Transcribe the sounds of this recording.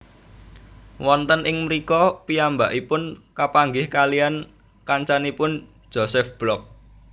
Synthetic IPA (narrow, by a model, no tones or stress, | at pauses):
wɔnt̪ənʔɪŋməɾikɔpiambaʔipʊnkapaŋɡɪhkalian | kaɲt͡ʃanipʊn̥ | d͡ʒ̥osɛfb̥lɔk̚